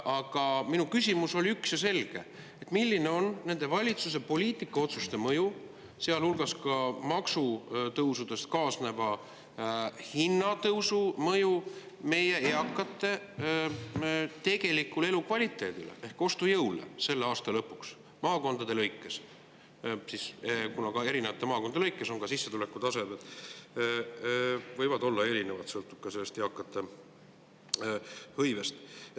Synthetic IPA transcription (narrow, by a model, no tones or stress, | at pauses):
ʔɑɡ̥ɑminukysʲimuso̞lʲiyksjɑse̞lɡ̥e̞̰ | et̪milʲːine̞o̞nːe̞nd̪̥e̞vɑlʲit̪sus̬e̞po̞lʲiːt̪ːˑikːˑɑo̞t̪sust̪e̞mɤju | seɑlhulɡ̥ɑskɑmɑksut̪ɤwsud̪̥e̞st̪kɑːsne̞vɑ | hinːɑt̪ɤwsumɤju | me̞je̞eɑkːɑt̪ːˑe̞ | t̪e̞ɡ̥e̞likːˑule̞lukvɑlʲit̪ːˑe̞ːd̪̥ilḛʔehko̞st̪ujɤwlḛse̞lːeɑːst̪ɑlɤpːˑuks | mɑːko̞nd̪̥ɑd̪e̞lɤjkˑːes | siskunɑkɑe̞ɾinevɑt̪ːˑemɑːko̞nd̪ɑlɤjkːˑe̞so̞nkɑsisːe̞t̪ule̞kːˑut̪ɑse̞d̪et̪ˑ | vɤjvɑd̪o̞lːɑe̞ɾine̞vɑt̪sɤlt̪ːub̥̚kɑselːest̪e̞ɑkːˑɑt̪ːˑe̞ | hɤjvest̪